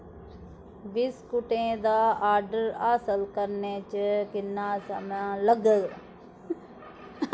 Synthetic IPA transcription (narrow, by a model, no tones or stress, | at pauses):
ʋiːskʊʈẽːd̪aːaːɾɖəɾaːsəlkəɾneːt͡ʃəkɪnːãːsəmãːləɡəl